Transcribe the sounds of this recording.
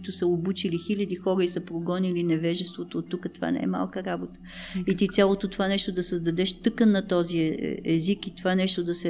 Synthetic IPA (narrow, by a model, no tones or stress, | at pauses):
it̪ʊsəobut͡ʃilixilʲɐd̪ixɔɾəisəpɾoɡɔnilinɛvɛʒɛst̪vot̪oːt̪ːukət̪ova̰nɛ̰ɛ̰ma̰lˠkəɾabot̪ə̥ | it̪it̪sʲalˠot̪ot̪ovanɛʃt̪od̪ɐsəzd̪ɐd̪ɛʃt̪ɤkənːɐt̪ɔziɛzikit̪ovanɛʃt̪od̪ɐsɛ